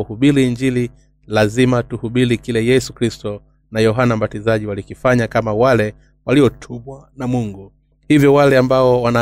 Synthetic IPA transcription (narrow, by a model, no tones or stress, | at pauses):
uhuɓiɾiːɲd͡ʒili | lazimatuhuɓiɾikilɛjɛsukɾistɔ | najɔɦanam̩batizaʄiwalikifaɲakamawalɛ | waliɔtʰuɓwanamuŋɡu | hivjɔwalɛambaɔwana